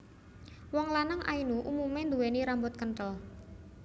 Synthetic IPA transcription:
wɔŋlanaŋʔa̰inuʔumumend̪uweniɾambʊt̪̚kənʈ̪əl

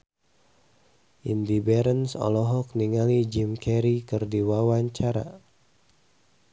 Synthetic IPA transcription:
ʔindibɛɾənsɔ̰lɔɦɔk̚niŋalid͡ʒimkɛɾikɨrdiwawaɲt͡ʃaɾa̰

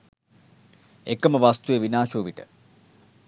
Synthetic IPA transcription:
ekəməʋast̪ujeʋinaːʃuːʋiʈə̰

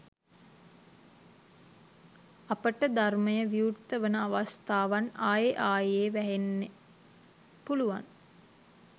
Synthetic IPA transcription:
apəʈəd̪arməjəʋiurt̪əʋənəaʋast̪aːʋanaːjeʔaːjeːʋæɦenːe | puluʋa̰n

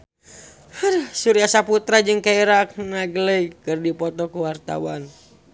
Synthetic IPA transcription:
hərhsuɾiasaput̪ɾad͡ʒɨŋkaiɾak̚naɡələjkɨrdipɔt̪ɔkuwart̪a̰wan

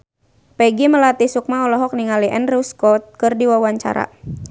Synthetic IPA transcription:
pɛɡiməlat̪isuk̚maɔlɔɦɔk̚niŋaliʔɛnriuskɔt̪̚kɨrdiwawaɲt͡ʃa̰ɾa̰

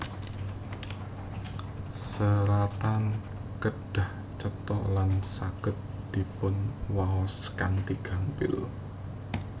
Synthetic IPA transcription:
səɾat̪an | kəɖ̥a̤h | t͡ʃət̪ɔʔlansaɡ̥ə̤t̪̚ | d̪̥i̤pʊnwaɔs | kaŋt̪iɡ̥a̤mpɪ̰l

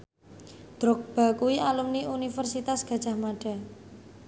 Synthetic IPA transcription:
d̪̥ɾɔk̚b̥a̤kuwiʔalumniunifərsit̪asɡ̥a̤̥ʒ̥a̤hmaɖ̥a̤

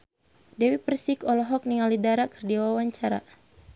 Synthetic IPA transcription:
dɛwipərsikɔlɔɦɔk̚niŋalidaɾakə̥rdiawawaɲt͡ʃaɾa̰

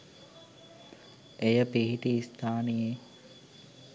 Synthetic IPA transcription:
ejəpiɦiʈiːst̪ʰaːnije

